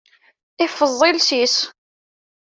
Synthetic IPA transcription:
ɪfəðˤːɪlsis

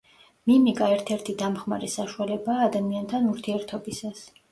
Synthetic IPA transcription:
mimikʼaɛɾt̪ʰɛɾt̪ʰid̪amχma̰ɾɛsaʃualɛbaːd̪amiant̪ʰanuɾt̪ʰiɛɾt̪ʰɔbisas

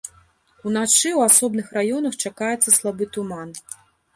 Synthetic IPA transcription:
unat͡ʂɨwasɔbnɨxrajɔnɐxt͡ʂakajɛt̪sːɐslˠabɨt̪uman

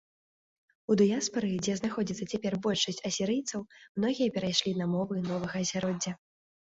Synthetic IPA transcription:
ud̪ɨjaspɐɾɨd͡zʲɛznaxɔd͡zʲit̪sːɐt͡sʲapʲɛrbɔlʲʂɐsʲt͡sʲɐsʲiɾɨjt̪sɐwmnɔɣʲijɐpʲɛɾajʂlʲinɐmɔvɨnɔvɐɣɐːzʲaɾɔd͡zʲːɐ

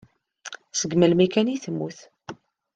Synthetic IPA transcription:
səɡməlmækæniθəmːuθ

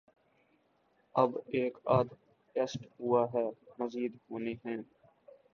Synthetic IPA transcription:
ɐbeːkaːd̪ | ʈesʈɦʊaɦɛːməziːd̪ɦoːneɦɛ̃ː

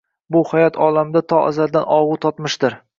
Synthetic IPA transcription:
bʊhajɒt̪ʰɒlamd̪at̪ʰɒʔa̰zald̪anʔɒʁʊt̪ʰɒt̪mɪʃd̪ɪɾ

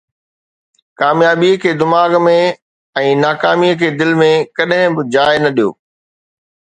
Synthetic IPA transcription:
kaːmjaːbikʰeːd̪ɪmaːɡmẽ | ɛ̃ːnaːkaːmiəkʰeːd̪ɪlmẽkɐɗɦɪ̃bɪd͡ʑaːɪnɐɗijo̰ː

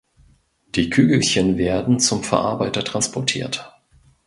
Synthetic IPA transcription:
d̥iːkʰyːɡl̩çənveːɐdn̩t͡sʊmfɛɐʔa̰ɐbaɪtɐtʁ̥anspʰɔɐtʰḭːɐt

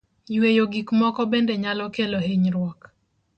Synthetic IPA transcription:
wejoɡikmɔkɔbendeɲalɔkeloheɲɾwɔk

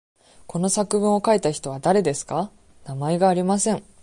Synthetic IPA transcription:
ko̞no̞sakɯ̟bɯ̟̃ɰ̃o̞kait̪açi̥t̪o̞β̞ad̪aɾe̞d̪e̞sɨ̥ka | namae̞ɡaːɾʲimasẽ̞ŋ

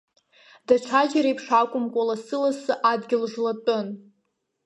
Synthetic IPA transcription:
daʈ͡ʂʷʰad͡ʒaɾejpʰʂakʷʼʊmkʷʼalasɨlasɨʔadɡʲɪlʒlatʼɨn

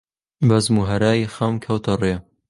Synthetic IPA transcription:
bɐzmuɦɐɾaːjixɐmkʰɐwt̪ʰɐre

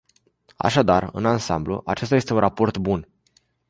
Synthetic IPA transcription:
a̰ʃad̪arɨ̰nansamblṵʔat͡ʃe̞st̪ajest̪e̞unrapo̞rt̪bun

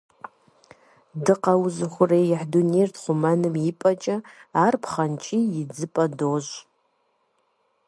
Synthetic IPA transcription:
dɨqʼawʊzɨχʷʊrejjaħdunejrtʰχʷʊmanɨmipʼat͡ʃʼaarpʰχant͡ʃʼiid͡zɨpʼadoʒʷ

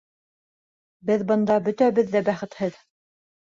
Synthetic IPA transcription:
bɘðbɤ̆nd̪ɑbɵ̆t̪æβɘðːæbæχɘ̆t̪hɘð

